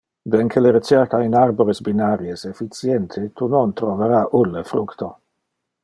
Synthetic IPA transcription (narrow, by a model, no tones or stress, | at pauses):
d̪eŋkʰeleɾet͡ʃɛrkainarboɾesbinaɾjesefit̪sjɛnt̪ʰet̪unont̪ɾoveɾaʔulːefɾukt̪o